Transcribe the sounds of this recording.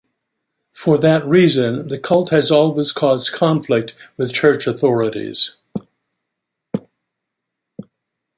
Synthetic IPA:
fə˞ðɨt̚ɹizɨ̃nðɨkʰʌlˠt̚hɨzɔlˠwiz̥kʰɔzdkʰɑ̃ɱflɪk̚t̚wɨð̥t͡ʃʰɜ˞t͡ʃɨθɔɹɨɾḭz̥

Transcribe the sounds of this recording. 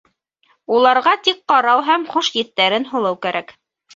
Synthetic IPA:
ulˠɑɾʁɑt̪ik̚qɑɾɑwɦæmχuʃjɘ̆t̪ːæɾɘnɦŭlˠɤwkæɾʔæk

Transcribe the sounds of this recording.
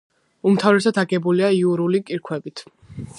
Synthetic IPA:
umt̪ʰavɾɛsad̪aɡɛbuliaiuɾulikʼiɾkʰwɛbit̪ʰ

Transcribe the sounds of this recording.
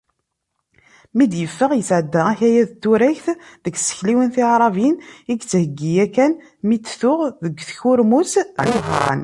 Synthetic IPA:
mid̪jəfːəʁjəsʕəd̪ːæʁæçæjæðət̪ːuɾæçθðəɡsə̥çliwənθiʕɾˤɑviniɡt͡sːhəɡːijækæn | mit͡sːθʊʁðəɡʷθçʊɾmusʕiɦɾˤɑ̰n

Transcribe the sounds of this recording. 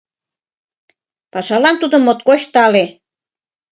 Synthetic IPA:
pɑʃɑlɑnt̪ud̪ə̆mːot̪̚koɕt̪ɑle

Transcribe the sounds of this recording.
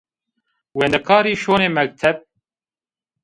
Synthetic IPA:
weːnd̪ɛkʰaːɾiːʃoːneːmɛk̚t̪ʰɛb̚

